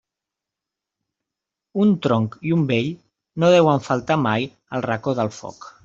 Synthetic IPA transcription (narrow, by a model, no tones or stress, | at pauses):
unt̪ɾoŋkiumbeʎ | noð̞ɛwəɱfəlˠt̪amaj | əlˠrəkoðəlˠfɔ̰k